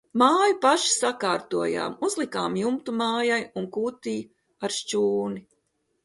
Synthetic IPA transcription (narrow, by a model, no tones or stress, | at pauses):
maːjupaʃi̥sakaːɾt̪uɔja̰ːmuzlˠikaːmjumt̪umaːjajuŋkuːt̪iː | aɾʃt͡ʃuːni